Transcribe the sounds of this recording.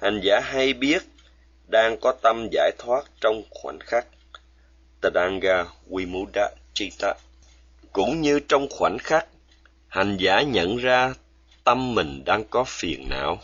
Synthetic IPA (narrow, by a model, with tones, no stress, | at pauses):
ha˨˩ŋzaː˧˩˥ɦa˧jɓi˦˥ət̚ | ɗaː˧ŋkɔ˨˦t̪ə˧mza̰ː˧˩jt̪ʰwaː˦˥t̚t͡ɕɔ˧wŋ͡mxwa̰˧˩nxa˦˥k̚ | t̪ɨ˨˩na˧ŋɣaː˧wi˧mu˨˦ɗa˧˦ | t͡ɕi˧t̪a˧ | kʊ̰˧˥ŋ͡mɲɨ˧t͡ɕɔ˧wŋ͡mxwa˧˩nxa˦˥k̚ | ha˨˩jŋza̰ː˧˩ɲə̰˧˨nzaː˧ | t̪ə˧mːï˨˩ŋ̟ɗaː˧ŋkɔ˨˦fi˨˩ənna̰ː˧˨w